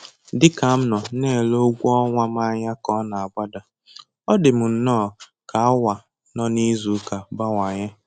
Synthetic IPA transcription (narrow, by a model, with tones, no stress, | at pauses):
dɪ˦ka˨m̩˦nɔ˨ne˦˨lo˦ɡʷɔ˦ŋʷa˦m˦a˦ɲa˦kɔ˦na˨a˨ba˦da˨ | ɔ˦dɪ˨m̩˨n̩˨nɔː˦˨ | ka˨a˦wa˨ | nɔ˦ni˦zu˨˦ka˨ba˦wa˨ɲa˦